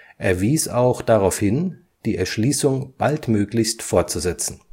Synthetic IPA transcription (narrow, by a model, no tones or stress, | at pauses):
ʔeːɐviːsaʊxd̥aʁaʊfhɪn | d̥iːɛɐʃliːsʊŋb̥altmøːklɪçstfoɐt̚t͡suzɛt͡sn̩